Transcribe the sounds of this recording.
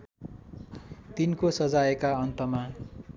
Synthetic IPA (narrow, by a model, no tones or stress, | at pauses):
t̪inkosʌd͡zaekaʌnt̪ʌma